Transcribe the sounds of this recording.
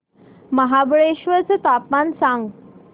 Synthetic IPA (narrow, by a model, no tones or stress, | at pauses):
məɦabɭeɕʋət͡sət̪apmansãŋɡ